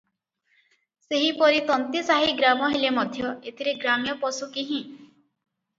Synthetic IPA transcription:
seɦipɔɾit̪ɔnt̪isaɦiɡɾamɔɦelemɔd̪ʱjɔet̪ʰiɾeɡɾamjɔpɔsukiɦĩ

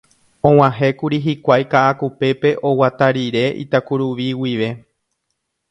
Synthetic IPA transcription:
õw̃ãɦe̞kuɾiɦikʷajkaʔakupe̞pe̞ʔo̞wat̪aɾiɾe̞ʔḭt̪akuɾuʋiwiʋe̞

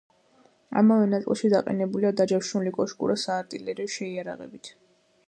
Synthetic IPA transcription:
a̰mavɛnat̪sʼlˠʃid̪aqʼɛ̰nɛbuliad̪ad͡ʒaʃnulikʼɔʃkʼṵɾasaːɾt̪ʼilɛɾiɔʃɛiaɾa̰ʁɛ̰bit̪ʰ

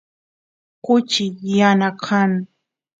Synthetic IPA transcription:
kʊt͡ʃɪjanakʰaŋ

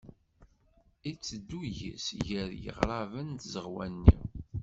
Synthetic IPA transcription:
it͡sːəd̪ːuʝə̰sʝəɾjə̰ʁɾˤɑvənt̪zəʁwænːḭ

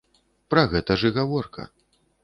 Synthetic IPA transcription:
pɾɐɣɛt̪ɐʐɨɣavɔrkʰɐ̰

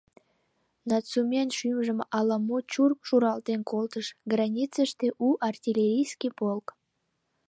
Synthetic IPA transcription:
nɑt͡sumʲenʃymʒəmɑlɑmot͡ɕurkʃuɾɑlt̪enkolt̪əʃɡrɑnʲit͡səʃt̪eʔuʔɑrtʲilʲeɾʲijskʲipolk

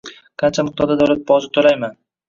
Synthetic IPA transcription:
kʰɑnt͡ʃʰamɪq̚t̪ʰɒɾd̪ad̪awlat̪̚bɒzɪt̪ʰːolajman

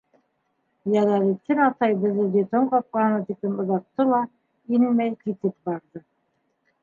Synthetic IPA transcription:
jælɑɾit̪ːɘnɑt̪ɑjbɘ̆ðɘd̪ʲet̪oɴqɑp̚qɑɦɤ̆nɑt̪iklɘmŏðɑq̚t̪ːɤlˠɑ | inmæjkit̪ɘp̚bɑɾðɤ

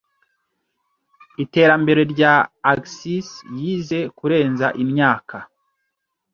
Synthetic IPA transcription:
ite̞ːɾambe̞ɾe̞ɾɟaːksisjiːze̞kuɾe̞ːnzaʔimɲaːkʰa

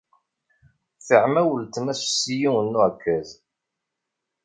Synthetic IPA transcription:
θəʕmæwəlt̪mæssijiənːuʕkʰːæz

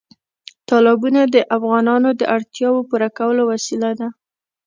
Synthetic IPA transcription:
t̪ɑlɪbunad̪əʔafɣɑnɑnod̪əʔaɽt̪jɑwopuɾakawəlowasilad̪a

